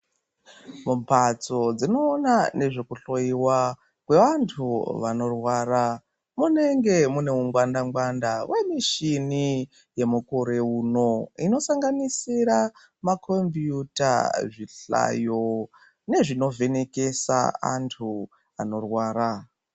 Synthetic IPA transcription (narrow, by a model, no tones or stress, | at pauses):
mumpat͡so̞d͡zino̞ːnane̞ʐe̞kuɬo̞iwa | kwe̞ʋantʰuʋano̞rwaːɾa | mune̞ŋɡe̞mune̞uŋɡwandaŋɡwandawʔemiʃini | je̞mukoɾe̞uːno̞ino̞saŋɡanisiɾa | makʰombjuta̰ʐiɬa̰jo̞ | ne̞ʐino̞ve̞ne̞ke̞sa̰a̰ntʰu | ano̞rwaːɾa